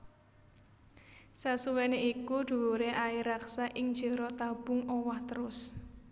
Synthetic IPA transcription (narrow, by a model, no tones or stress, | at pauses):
sasuwɛneikuɖ̪̥ṳwoɾeʔaiɾaksaʔɪŋ̥d͡ʒə̤ɾɔt̪ab̥ʊ̤ŋɔwaht̪əɾʊs